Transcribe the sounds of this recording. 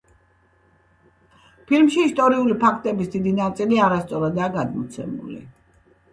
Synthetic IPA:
pʰilmʃiːst̪ʼɔɾiulipʰakʰt̪ʼɛbisd̪id̪inat̪sʼiliaɾast̪sʼɔɾad̪aːɡad̪mɔt̪sʰɛ̰mṵlḭ

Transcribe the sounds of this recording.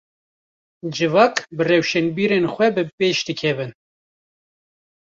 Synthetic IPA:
d͡ʒɨvɑːkbɨrɛwʃɛnbiːɾenxʷɛbɨpeːʃd̪ɨkʰɛbɨn

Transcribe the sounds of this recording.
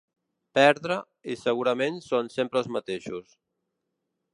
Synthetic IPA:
pɛɾðɾə | isəɣuɾəmensonsempɾəlzmət̪eʃus

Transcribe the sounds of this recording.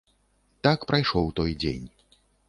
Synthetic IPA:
t̪akpɾajʂɔwt̪ɔjd͡zʲḛnʲ

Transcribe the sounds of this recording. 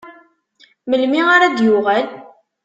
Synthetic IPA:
məlmiaɾad̪jʊʁæl

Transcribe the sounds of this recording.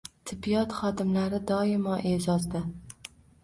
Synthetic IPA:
t̪ʰɪbːijɒt̪χɒd̪ɪmlaɾɪd̪ɒɪmɒʔezɒzd̪ɪ

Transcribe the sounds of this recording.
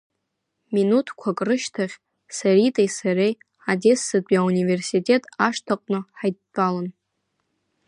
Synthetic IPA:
minutʰkʷʰakʼrɨʃtʰaχʲ | saɾitʼajsaɾej | ade̞sːɨpʼiaunive̞rsitʲʼe̞tʼaʂtʰaqʷʼnɨħajtːʼalan

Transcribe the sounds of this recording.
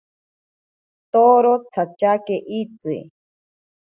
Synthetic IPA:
t̪oɾot͡sʰat͡ʃakeʔit͡sɨ̰

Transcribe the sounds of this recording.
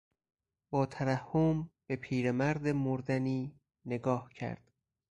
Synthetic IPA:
bɒːt̪ʰævæhːomb̥e̞pʰiːɾemæɾd̪emoɾd̪æniː | ne̞ɡɒːhcʰæ̰ɾd̪̥

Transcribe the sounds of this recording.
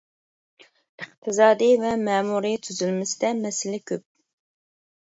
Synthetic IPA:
ɨχt̪ʰɨzɑːd̪ivɛmɛːmuɾit̪ʰyzylmɪsɪd̪ɛmɛsɪlɪkʲʰøp̚

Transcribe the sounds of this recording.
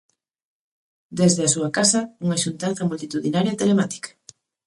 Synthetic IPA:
d̪ezðeasuɐkasɐuŋaʃunt̪anθɐmult̪it̪uðinaɾjaet̪elemat̪i̥kḁ

